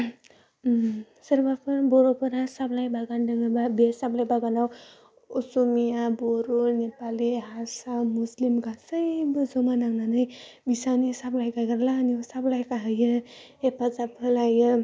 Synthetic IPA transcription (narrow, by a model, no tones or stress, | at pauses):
səɾbapʰɯboɾopuɾasablajbaɡandəŋəbabesablajbaɡanaw | usumijaboɾonepaliɦasamuslimɡasəjbɯzomanaŋnanɯjbisanisablajkaɡaɾlaːniosablajkaɦəjə | epazapʰɯlajə